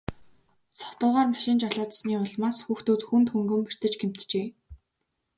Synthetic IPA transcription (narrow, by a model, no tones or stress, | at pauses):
sɔ̥t̪ʊːʁaːrmaʃɪ̆nt͡ɕɔɮʊːt̪̆sniːʊɮmaːsxuːxt̪uːt̪xunt̪xuŋɡɵ̆mpir̥t̪ɘ̆t͡ɕɡem̥t̪t͡ɕeː